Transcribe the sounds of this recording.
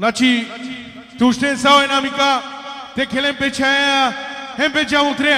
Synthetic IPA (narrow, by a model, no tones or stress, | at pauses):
nat͡ʃʰi | t̪uʃʈẽnsawenamikat̪ekʰelempet͡ʃʰaãɦẽmpet͡ʃʰamũt̪ʰɾe